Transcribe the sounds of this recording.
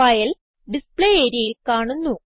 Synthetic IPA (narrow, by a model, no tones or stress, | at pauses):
aːjil | ɖispɭejeːɾjɐjilkaːɳunːu